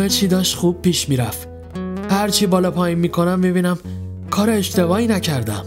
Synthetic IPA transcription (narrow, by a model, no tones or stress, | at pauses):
et͡ʃʰiːd̪ɒːʃt̪xuːb̥̚pʰːiːʃmiːɾæft̪ | hæɾt͡ʃʰiːbɒːlɒːpʰɒːjinmiːkʰo̞næmːibiːnæmkʰɒːɾeːʃt̪e̞vɒːinæcʰæɾd̪æ̰m